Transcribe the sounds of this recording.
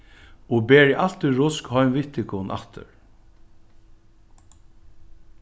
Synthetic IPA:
ɔbɛːɹiʔal̥t̪ʏɹʊskhɔjmvɪht̪ɪkʰʊnʔa̰ht̪ə̰ɹ

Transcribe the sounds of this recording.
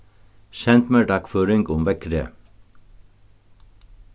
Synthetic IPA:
ʃɛnt̪meːɖɑkføːɾɪŋɡʊmʋɛkɾə̰

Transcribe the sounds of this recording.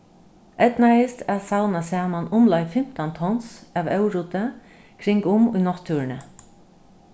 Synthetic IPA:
ɛt̪naɪst̪ɛsawnasɛːmanʊmlajfɪm̥t̪ant̪ʰɔnsaʋœwɾut̪ə | kʰɾɪŋkʊmʊjnɔt̪ʰːuːɾnə

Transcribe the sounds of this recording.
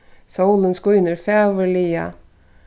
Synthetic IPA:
sɑulənskuːʏnəɾfeːʋəɭiːɑ̰

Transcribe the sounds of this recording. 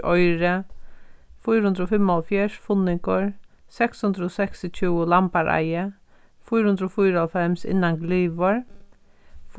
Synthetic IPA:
ɔjɾə | fujɾhʉnd̪ɾɔfɪmːɔlfjɛʂfʊnɪŋkəɹsɛkshʉnd̪ɾəɔsɛksɪt͡ʃʰuːʊlampaɾʔa̰jə | fujɾhʊnd̪ɾɔːfujɾalfɛmsɪ̰nːaŋɡliːʋəɹ | f

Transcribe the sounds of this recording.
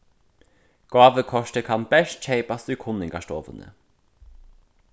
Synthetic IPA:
ɡ̥ɑːʋəkʰɔʃtəkʰɑnbɛʃt̚t͡ʃeɪpast̪ʉkʰʊnɪŋɡɑ̰ʃto̰ːvə̰nə̰

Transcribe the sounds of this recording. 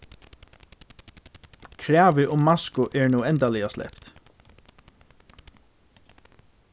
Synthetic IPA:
kʰɹæːʋɪʔʊmːɑskʊʔɛːɹnuːɛnt̪alɪaslɛ̰pt̪

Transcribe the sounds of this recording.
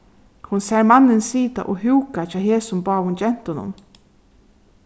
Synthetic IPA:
hʊnsɛɹmanːɪnsiːt̪a̰ʔoɦuwkat͡ʃaːɦeːsʊmbɑːhʊnd͡ʒɛn̥t̪ʊnʊ̰n

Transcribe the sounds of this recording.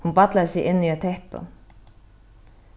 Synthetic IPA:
hunbat̪laðɪsɪɣʔɪnːiat̪ʰɛhpa̰

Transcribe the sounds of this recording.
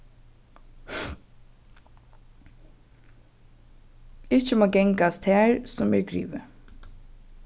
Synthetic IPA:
ɪçəmoːɡɛŋkast̪hæːɹsɔmɛ̰ːɹɡɹḭːʋə

